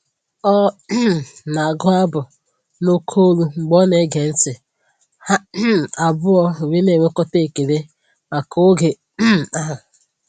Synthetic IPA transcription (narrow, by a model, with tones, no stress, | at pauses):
ɔ˦ | na˨a˨ɡʊ˦a˦bʊ˨ | no˦kʰo˦ɾu˦ŋ͡m̩˨ɡ͡bɔ˦ne˦ɡe˨n̩˦tɪ˨ | ha˦˨a˨bʊ˦ɔ˦e˨we˦ne˨we˦kɔ˦te˦˨ke˨ɾe˦ | ma˨kʰo˦ɡe˨˦˨ | a˦ɦa˨